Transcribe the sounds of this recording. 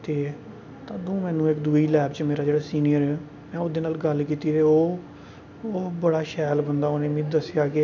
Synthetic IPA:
t̪eː | t̪ãːd̪ũːmɛ̃ːnũːɪkd̪uːiːlɛːpt͡ʃmeːɾaːd͡ʒeːɽaːsiːnijəɾɛː | mɛ̃ːʊd̪eːnaːlɡəlkiːt̪iːɾeːoː | oːbəɽaːʃɛːlbənd̪aːoːneːmĩːd̪əsɪjaːkɪ

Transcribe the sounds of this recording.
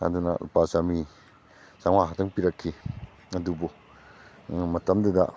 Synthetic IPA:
a̰nduna̰lṵpasami | saŋwaɦatʰaŋpiɾakʰːi | ɐdubɔ | mɐtɐmduda

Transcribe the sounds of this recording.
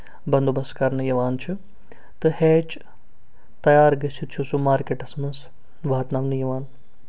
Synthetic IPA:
bɐnd̪obɐskɐɾnɨjɐʋaːnt͡ʃʰu | t̪ɨheːt͡ʃ | t̪ɐjaːɾɡɐsʰit̪t͡ʃʰusumaːɾkeːʈɐsmɐns | ʋaːt̪naːʋnɨjɐʋaːn

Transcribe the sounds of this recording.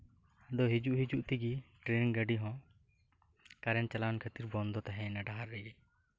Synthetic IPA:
d̪ɔɦid͡ʒuʔɦid͡ʒuʔt̪iɡiʈɾeniŋɡəɖiɦɔ̃ | kaɾɛnt͡ʃalawankʰət̪iɾbɔnd̪ɔt̪aɦɛ̃ɛnaɖaɦaɾːɛɡɛ

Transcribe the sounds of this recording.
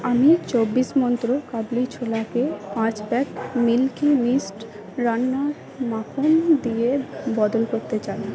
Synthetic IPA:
amiet͡ɕobːiʃmɔnt̪ɾokablit͡ɕʰolakepãt͡ɕbɛkmilkimisʈ | ɾanːaɾ | makʰond̪ijebɔd̪olkoɾt̪et͡ɕaj

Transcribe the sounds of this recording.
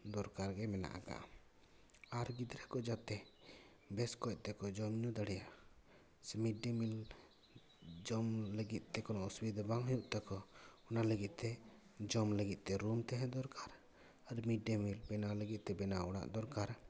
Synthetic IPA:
d̪ɔɾkaɾɡɛmɛna̰ʔa̰ɡa̰ʔ | aɾɡid̪ɾɛkɔd͡ʒat̪ɛ | bɛskɔc̚ˀt̪ɛkɔd͡ʒɔmɲud̪aɽɛja | smiɖemil | d͡ʒɔmləɡit̪̚ˀt̪ɛkɔnɔʔuswid̪baŋɦəjuʔt̪akɔɔnaləɡit̪̚ˀt̪ɛ | d͡ʒɔmləɡit̪̚ˀt̪ɛɾumt̪ɛɦɛ̃d̪ɔɾkʰaɾ | aɾmiɖemilbɛnaləɡit̪̚t̪ɛbɛnaɔɽa̰ʔd̪ɔɾkaɾ

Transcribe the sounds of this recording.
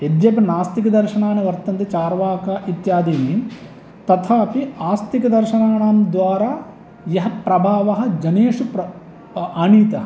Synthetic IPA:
ed̪jɐpɐnaːst̪ikɐd̪ɐɾʃɐɳaːneʋɐɾt̪ɐnt̪et͡ʃaːɾʋaːkaːʔit̪jaːd̪iːniː | t̪ɐt̪ʰaːpiaːst̪ʰikɐd̪ɐɾʃɐnaːɳaːmd̪ʋaːɾaː | jɐɦɐpɾɐbʱaːʋɐɦɐ̆d͡ʒɐneːʂupɾɐ | aniːt̪ɐɦɐ

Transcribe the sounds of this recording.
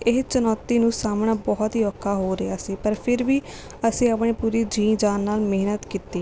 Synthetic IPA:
ɪɦt͡ʃənɔːt̪ːiːnũːsaːmɳaːbɔːt̪ɦiːɔːkʰːaːɦoːɾeaːsiːpəɾpʰɪɾʋiː | əsĩːəpɳ̃eːpuːɾiːd͡ʒiːnd͡ʒaːnːaːlmeːnət̪kit̪ːiː

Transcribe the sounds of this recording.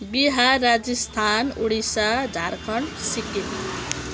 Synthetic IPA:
biɦaːad͡zist̪ʰanuɽisad͡zʱarkʰʌɳsikin

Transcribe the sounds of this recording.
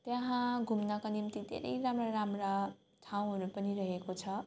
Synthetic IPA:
t̪jaɦãɡʱumnakonimt̪id̪ʱḛɾʌ̰jɾamraɾamra | ʈʰaw̃ɦʌɾupʌniɾʌɦekot͡sʰʌ

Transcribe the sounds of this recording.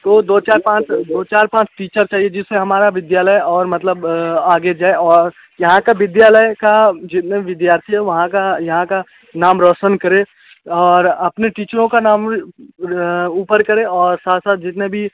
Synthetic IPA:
t̪od̪oːt͡ʃaːɾpãːt͡ʃd̪oːt͡ʃaːɾpãːt͡ʃʈiːt͡ʃəɾt͡ʃaːɦied͡ʒɪsːeɦɐmaːɾaʋɪd̪jaːləjɔːɾmɐt̪ləbaːɡed͡ʒaːeʔɔːɾ | jɐɦãkaʋɪd̪jaːləjkad͡ʒɪt̪neʋɪd̪jaːɾt̪ʰiɦɛʋɐɦãkajɐɦãka | naːmɾɔʃənkɐɾẽ | ɔːɾɐpneʈiːt͡ʃəɾõkanaːm | uːpəɾkɐɾẽɔːɾsaːt̪ʰsaːt̪̚ʰd͡ʒɪt̪nebʱi

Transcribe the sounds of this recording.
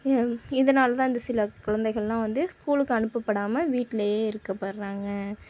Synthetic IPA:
ɪðɐnaːlɐt̪ãːɪnd̪ɐsɪlɐkʊɻɐnd̪ɐɪɣɐɭlãːʋɐnd̪ɯskuːlɯkːɯɐnɯpːɐpːɐɽaːmɐʋiːʈːɪlɐjeːɪɾɯkːɐpːɐɾɾaːŋɡɐ

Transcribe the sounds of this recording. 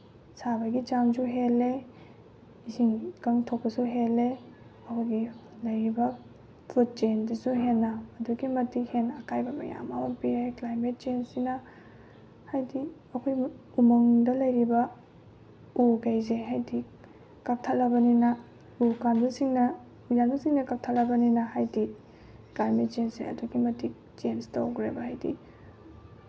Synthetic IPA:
sabɐɡid͡ʒamsuɦelːe | iziŋkaŋtʰok̚pɐsuɦelːe | ɐkʰojɡi | lɐjɾibɐ | fɾut̚t͡ʃendɐsuɦenːɐːduɡimɐtihenɐkajbɐmɐ̰ja̰mawɐpiɾejklajmet̚t͡ʃensinɐ | hajdiɐkʰojumoŋdɐlɐjɾibɐ | uɡejzeɦajdi | kap̚tʰɐlɐbɐninɐ | ukandusiŋnɐ | mijandusiŋnɐkɐp̚tʰɐlːɐbɐninɐhajdi | klaɾmet̚t͡ʃensḭɐ̰duɡimɐti | t͡ʃenstoɡɾebɐhajdḭ

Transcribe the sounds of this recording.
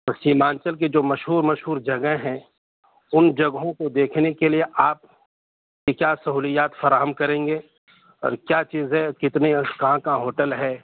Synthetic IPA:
ɐsiːmãːnt͡ʃəlk̬ed͡ʒoːmɐʃɦuːɾmɐʃɦuːɾd͡ʒɐɡəɦɦɛ̃ | ʊnd͡ʒɐɡɦõkod̪eːkʰnekelieʔaːp̚ | kekjaːsɐɦuːlijaːt̪fɐɾaːɦəmkɐɾẽːŋɡeː | ɔ̰ːɾkjaːt͡ʃiːzɦɛkɪt̪nekɐɦãkaɦoːʈəlɦɛː

